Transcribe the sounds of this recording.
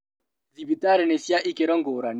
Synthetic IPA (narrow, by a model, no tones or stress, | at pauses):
zibitaɾɛnesjaʔikeɾɔŋɡoɾan